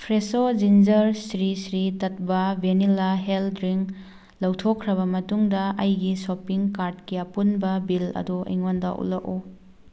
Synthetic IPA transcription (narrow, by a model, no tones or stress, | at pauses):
pʰɾesod͡ʒind͡ʒɐɾsɾisɾitɐt̚bɐbenilaɦeldɾiŋ | lɐwtʰokʰːɾɐβɐmɐtuŋdɐɐjɡisopiŋkaɾdkiɐpunbɐbilɐ̰duḭŋonda̰ʔṵlɐko